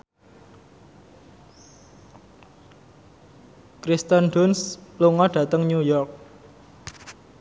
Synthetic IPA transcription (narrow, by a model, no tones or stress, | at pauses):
kɾist̪ənɖʊnsluŋɔɖ̥ä̤t̪əŋɲujɔrk̚